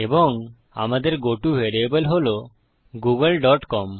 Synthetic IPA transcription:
eboŋ | a̰mad̪eɾɡoʈuʋeɾebelɦolo | ɡuɡelɖɔʈkɔm

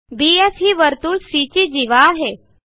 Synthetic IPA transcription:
biesɦiːʋəɾt̪uːɭsit͡ɕid͡ʑiʋaːɦe

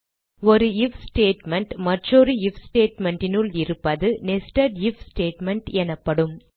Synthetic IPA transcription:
ɔɾɯɪfsʈeːʈmɛɳʈmɐʈroɾɯɪfsʈeːʈmɛɳɖɪnɯlɪɾɯpːɐðɯnɛsʈɐɖɪfsʈeːʈmɛɳʈɛnɐpːɐɽɯm

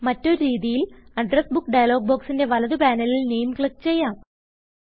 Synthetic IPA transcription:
mɐtːo̞ɾuɾiːðijilɐɖrɐsbukːɖɐjɐlo̞ːɡ̚boːksinde̞ʋɐlɐðɨpaːnɐlilne̞jmkɭɐk̚t͡ɕe̞jːaːm

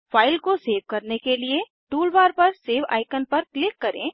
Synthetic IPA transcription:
fʰaːɪlkoseːʋkɐɾnekelie | ʈuːlbaːɾpɐɾseːʋa̰ːɪkənpɐɾklɪkːɐɾḛ̃ː

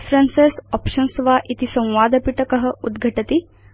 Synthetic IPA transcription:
fɾansesɔpʃənsʋaʔit̪isə̃w̃ʋad̪əpiʈəkəɦəud̪ɡʱəʈət̪i

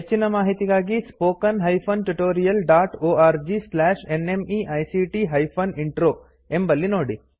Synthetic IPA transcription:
ɦet͡ʃːinɐmaːɦit̪iɡaːɡispoːkɐnɦɐjpʰɐnʈuʈoːɾijɐlɖaːʈoːaːɾd͡ʒislaːʃenemiʔɐjsiːʈiɦɐjpʰɐniɳʈɾoː | embɐlːinoːɽi

